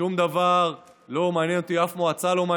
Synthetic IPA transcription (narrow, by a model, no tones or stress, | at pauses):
umd̪avaʁ | lo̞maːnjɛnot̪iafmoat͡salo̞ma